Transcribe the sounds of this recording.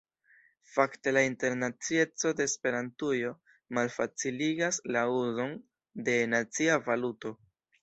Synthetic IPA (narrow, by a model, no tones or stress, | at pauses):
fakte̞lainte̞ɾnat͡sie̞t͡so̞de̞ːspe̞ɾantujo̞ | malfat͡siliɡaslauzo̞n | de̞nat͡siavaluto̞